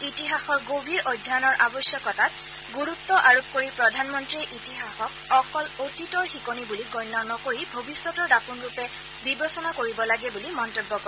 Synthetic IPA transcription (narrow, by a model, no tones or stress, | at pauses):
itiɦaxɔɹɡobʱiɹʔojdʱːanɔɹʔabɔsjɔkɔtat̚ | ɡuɹut̪ːɔʔaɹop̚koɹipɹɔdʱanmɔntɹiʔitiɦaxɔkɔkɔlotitɔɹxikonibuliɡɔjnːɔnɔkoɹibʱobisːɔtɔɹdapunɹupɛ | bibesɔnakoɹibɔlaɡɛbulimɔntebːɔkɔ